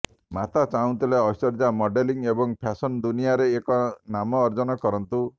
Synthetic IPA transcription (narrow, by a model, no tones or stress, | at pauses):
mat̪at͡ʃaũw̃t̪ileɔsɔɾd͡ʒamɔɖeliŋebɔŋpʰasɔnd̪unijaɾeːkɔnamɔːɾd͡ʒɔnɔkɔɾɔnt̪u